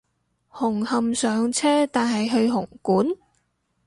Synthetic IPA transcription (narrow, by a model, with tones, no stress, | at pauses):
hʊ˨˩ŋhɐ˨msœː˨˧ŋt͡sʰɛː˥t̪aː˨nɦɐ˨jɦɵ˧ɥɦʊ˨˩ŋkuː˨˥n